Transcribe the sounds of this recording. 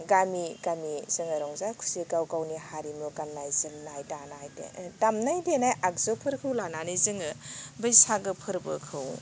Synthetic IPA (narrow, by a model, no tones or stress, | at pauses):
ɡamiɡamiz̥ɯŋɯɾɔŋzakʰu̥siɡawɡawnihaɾimuɡanːajzɯnnajtanajdḛtamnajdenajʔak̚zɯpʰɯɾkʰɯwlananɯjzɯŋɯbɯjsaɡɯpʰɯɾbɯkʰɯw